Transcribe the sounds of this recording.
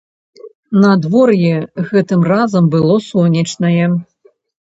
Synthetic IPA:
nɐd̪vɔrjɛɣɛt̪ɨmrazɐmbɨlˠɔsɔnʲɐt͡ʂnɐjɛ

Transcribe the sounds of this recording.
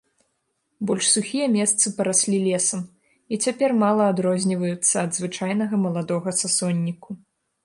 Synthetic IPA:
bɔlʲʂsuxʲijɐmʲɛst̪sɨpɐɾasʲlʲilʲɛsɐm | it͡sʲapʲɛrmalˠɐːd̪ɾɔzʲnʲivɐjut̪sːɐːd̪zvɨt͡ʂajn̪ɐɣɐmɐlˠad̪ɔɣɐsasɔnʲːiku

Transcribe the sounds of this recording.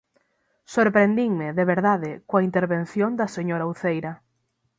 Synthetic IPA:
soɾpɾend̪iŋmɪðeβeɾðaðɪkoɐint̪eɾβenθjond̪ɐseɲoɾauθejɾɐ

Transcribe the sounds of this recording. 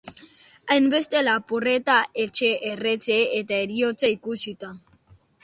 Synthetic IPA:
ajmbe̞st̪e̞lapure̞t̪aʔet͡ʃe̞ʔere̞t͡se̞et̪aeɾiot͡saikusit̪a

